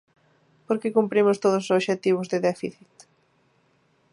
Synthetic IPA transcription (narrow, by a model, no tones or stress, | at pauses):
poɾkɪkumpɾimʊst̪oðʊs̬soʃet̪iβ̞ʊzðɪðɛfḭθit̪